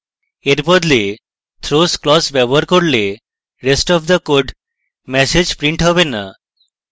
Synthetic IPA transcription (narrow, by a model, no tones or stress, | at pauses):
eɾbɔd̪le | t̪ʰɾosklɔsbɛbəɾkɔɾle | ɾesʈɔʋd̪əkoɖ | mɛsed͡ʒpɾiɳʈɦɔβena